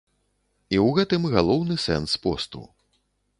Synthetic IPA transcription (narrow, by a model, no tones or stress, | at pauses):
iwɣɛt̪ɨmɣalˠɔwnɨsɛ̰nspɔst̪ṵ